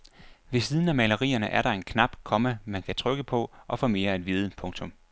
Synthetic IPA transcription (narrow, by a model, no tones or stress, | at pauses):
ʋe̝siːð̞ˠən̩æmæləʁḭːɐnəʔæɐɾɑ̈e̝nkʰnɑ̈b̥kʰɒ̽məmænkʰæt͡sʰʁœɡ̥əpʰɒ̽ʔɒ̽fɒ̽me̝ːɐæd̥ʋiːð̞ˠəpʰɔ̽ŋt͡sʰɔ̽m